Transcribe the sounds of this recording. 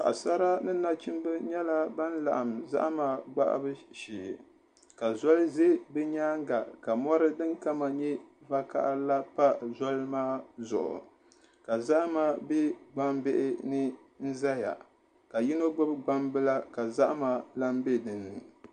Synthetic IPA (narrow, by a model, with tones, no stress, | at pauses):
ka̰˨ʔa˨sa˦ɾa˦nɨ˦na˦t͡ʃi˦m˦bɨ˦ɲɛ˦la˦ba˦n˦la̰˨ʔa˨m˨za̰˦ʔmaː˦ɡ͡ba̰˦ʔa̰˦bɨ˦ʃiː˨ | ka˨zɔ˦lze˦bɨ˦ɲaː˦ŋ˦ɡa˨ka˨mɔ˦ɾɨ˦dɨ˦ŋka˦ma˨ɲɛ˦va˦ka̰˦ʔla˦pa˦zɔ˦lmaː˦zʊ̰˨ʔʊ̰˨ | ka˨za˦ʔmaː˦bɛ˦ɡ͡ba˦mbe˦ʔɪ˦nɨ˦ | n̩˦za˦ja̰˨ | ka˨ji˦no˦ɡ͡bʊ˦bɡ͡ba˦mbɨ˦la˦ka˨za˦ʔma˨la˦m˦be˦dɨ˨nɨ˨